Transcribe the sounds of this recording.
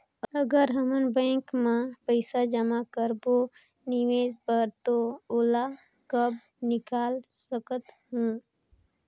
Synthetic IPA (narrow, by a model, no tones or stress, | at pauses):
əɡəɾɦəmənbɛ̃ːŋkmẽpəɪsad͡ʒəmakəɾbo | nɪʋeːzbəɾt̪ooːla | kəb̚ | nɪkaːlsəkət̪ɦũː